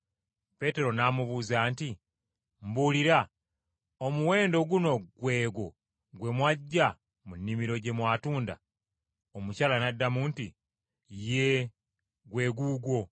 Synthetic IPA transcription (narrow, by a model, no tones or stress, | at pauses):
pe̞te̞ɾo̞namuβuːzaːnti | mbuliɾa | omuwe̞ːndo̞ɡuno̞ɡwe̞ːɡo | ɡwe̞mwaɟːa | munːimiɾo̞ɟe̞mwaːtuːnda̰ | omucalanadːamuːnti | je | ɡwe̞ːɡuːɡwo̞